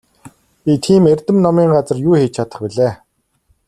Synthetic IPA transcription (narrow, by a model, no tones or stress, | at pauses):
pʲit̪ʰiːmerʲt̪ɘ̆mnɔmiːŋɢat͡sə̆rjuːxeːt͡ɕʰat̪ə̥̆χpiɮeː